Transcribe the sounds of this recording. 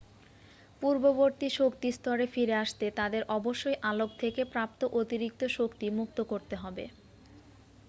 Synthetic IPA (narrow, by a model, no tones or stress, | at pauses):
puɾboboɾt̪iʃokt̪ist̪ɔɾefiɾeaʃt̪et̪ad̪eɾʔɔboʃːojʔalok̚t̪ʰekepɾap̚t̪oʔot̪iɾik̚t̪oʃokt̪imuk̚t̪okoɾt̪eɦɔbḛ